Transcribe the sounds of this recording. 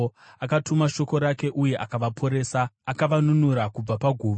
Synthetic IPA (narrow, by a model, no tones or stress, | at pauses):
akatumaʃo̞ko̞ɾake̞ʔuje̞ʔakaʋapʰo̞ɾe̞ːsaːkaʋanunuɾakub͡vapaɡʱuːʋa